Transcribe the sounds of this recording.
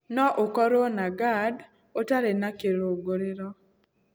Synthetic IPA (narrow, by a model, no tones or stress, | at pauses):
nɔʔokɔɾonaɡad | otaɾenakeɾoɡoɾɪɾɔ